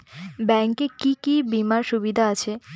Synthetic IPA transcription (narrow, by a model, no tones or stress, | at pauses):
bɛŋkekikibimaɾʃubid̪ʱaat͡ɕʰe